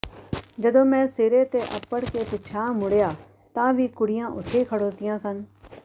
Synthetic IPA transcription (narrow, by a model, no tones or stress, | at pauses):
d͡ʒəd̪õːmɛ̃ːseːɾeːt̪eːʔə̰pəɽkeːpɪt͡ʃʰãːmʊɽjaː | t̪ãːʋiːkʊɽɪjãːʔʊt̪ʰːeːkʰəɽoːt̪ɪjãːsən